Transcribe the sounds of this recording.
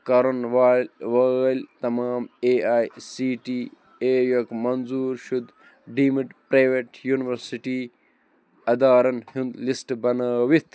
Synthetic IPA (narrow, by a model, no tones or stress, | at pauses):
kɐɾɐnʋaʋalt̪ɐmaːmeːaːjsiːʈiː | eːjɐkmɐnzuːɾʃud̪ | ɖiːmiɖpɾaːjʋeːʈjuːniʋɐɾsiʈiː | ɐd̪aːɾɐnhĩnd̪lisʈbɐnaːʋit̪ʰ